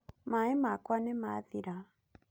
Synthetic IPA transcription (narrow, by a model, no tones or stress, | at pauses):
maemakwanɛmaðiɾa